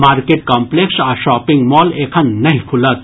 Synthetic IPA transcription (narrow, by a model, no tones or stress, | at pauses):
maːɾkeʈ̚kɔmpleksaʃɔːpĩŋɡmɔːleːkʰənnɐɦĩkʰulət̪